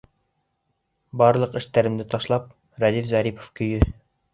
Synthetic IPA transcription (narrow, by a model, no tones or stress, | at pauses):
bɑɾlˠɤqɘ̆ʃt̪æɾɘ̆md̪ɘt̪ɑʃlˠɑp̚ | ɾæd̪ifzæɾipo̥fkɵ̆jɵ